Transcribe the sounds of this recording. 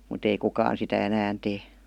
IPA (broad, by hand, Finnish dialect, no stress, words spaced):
mut ei kukɑːn sitæ ænæːn teː